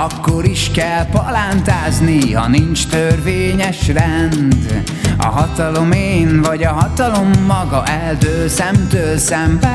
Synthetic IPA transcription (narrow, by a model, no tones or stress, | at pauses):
ɒkːo̞ɾiʃkɛlpɒlant̪aːznihɒ̰nint͡ʃt̪ørveːɲɛʃrɛnd̪ | ɒ̰ɦɒt̪ɒlo̞meːnvɒɟɒɦɒt̪ɒlo̞mːɒɡɒʔɛld̪øːsɛmt̪øːlsɛmvɛ